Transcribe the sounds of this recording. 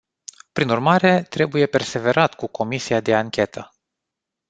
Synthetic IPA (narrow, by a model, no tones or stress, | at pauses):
pɾinurmaɾe̞t̪ɾe̞buje̞pe̞rse̞ve̞ɾat̪kukʰo̞misiad̪e̞aŋkʲe̞t̪ʰə